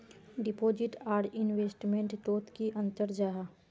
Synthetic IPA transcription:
ɖɪpoːd͡ʒɪʈaːɾɪnʋeːsʈmẽɳʈt̪oːt̪kiʔə̃nt̪əɾd͡ʒaːɦa

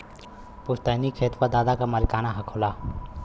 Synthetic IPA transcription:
pʊst̪ənikʰeːt̪wad̪aːd̪akamɐlkaːnaɦɐkʰoːlaː

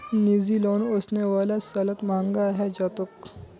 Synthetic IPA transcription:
niːziloːnosneʋaːlasɐlət̪mãːŋɡaɦɛd͡ʒɐːt̪ʊk

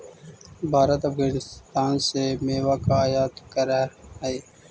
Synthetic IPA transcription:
bʱaːɾɐt̪ɐfɣaːnɪst̪aːnsemeːʋakaːjaːt̪kɐɾaeː

